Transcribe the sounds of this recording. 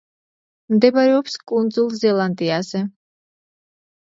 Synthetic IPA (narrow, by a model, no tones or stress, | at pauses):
md̪ɛbaɾɛɔpskʼund̪zulˠzɛlˠand̪ʼiazɛ